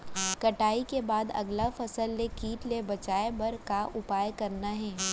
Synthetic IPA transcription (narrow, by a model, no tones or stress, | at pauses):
kɐʈaːikebaːd̪ɐ̰ɡlafɐsəlːekiːʈlebɐt͡ʃaːebɐɾkaʔʊpaːjkɐɾnaɦɛː